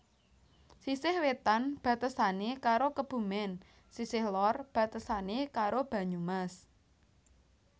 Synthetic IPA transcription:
sisɪhwet̪anb̥ä̤t̪əsanekaɾokəb̥ṳmɛn | sisɪhlɔrb̥ä̤t̪əsanekaɾob̥ä̤ɲumas

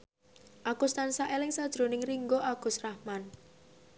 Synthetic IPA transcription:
ʔakust̪ansaʔelɪŋsad̥ʒ̥ɾo̤nɪŋriŋɡoʔaɡ̥ṳsrahman

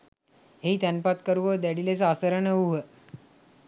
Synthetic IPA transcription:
ɦeit̪ɛnpat̪kəɾuʋəd̪ɛɽilet͡saasəɾəɳəuɦə

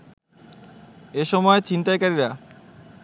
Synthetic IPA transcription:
eʃɔmɔet͡ɕint̪ajkaɾiɾa

